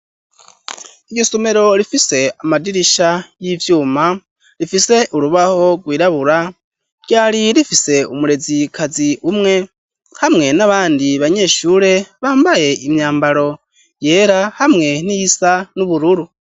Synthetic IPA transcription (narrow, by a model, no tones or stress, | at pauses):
iosome̞ɾo̞ɾifise̞amadiɾiʃajivjuːma | ɾifise̞ʔuɾuβaho̞ɡwiːɾaβuɾa | ɟaːɾiɾifise̞umuɾe̞zikʰaziumŋe̞ | hamŋe̞naβaːndiβaɲe̞ːʃuːɾe̞βaːmbaje̞ʔimɲaːmbaɾo̞ | je̞ːɾahamŋe̞n̥ijisanuβuɾuɾu